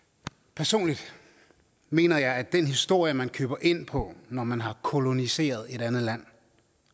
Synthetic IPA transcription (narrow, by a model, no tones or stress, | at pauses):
pʰæɐso̝̰ːnlid̥ | me̝̰ːnɐjɑ̈ɪæd̥enɦisd̥o̝ɐ̰jəmænkʰøːb̥ɐʔe̝n̰pʰɒ̽nɒmænɦɑ̈kʰo̝lo̝nise̝̰ːɐð̞̩ˠe̝ɾænð̩ˠlæn̰